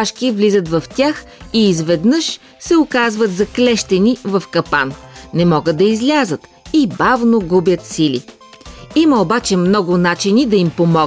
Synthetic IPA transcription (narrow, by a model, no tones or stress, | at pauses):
aʃkʲivlʲizət̪vɐft̪ʲax | iːzvɛd̪nɤʃ | sɛokazvət̪zɐklɛʃt̪ɛnivɐfkɐpa̰nnɛmɔɡət̪̚d̪ɐizlʲazət̪ | ibavnoɡubʲjət̪silḭ | imɐobat͡ʃɛmnɔɡʊnat͡ʃinid̪ɐimpomɔ